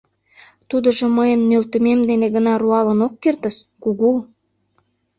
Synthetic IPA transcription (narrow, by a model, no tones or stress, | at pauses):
t̪ud̪ə̆ʒŏməjənːølt̪ə̆memd̪eneɣənɑruɑlənokːert̪əʃkuɣu